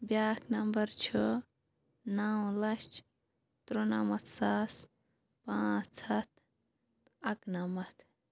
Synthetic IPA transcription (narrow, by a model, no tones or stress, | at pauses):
bjaknɐmbɐɾt͡ʃʰo | nawlɐt͡ʃ | t̪ɾonamɐt̪ʰsas | pãːt͡ʃsɐt̪̚ʰ | ɐknɐmɐt̪ʰ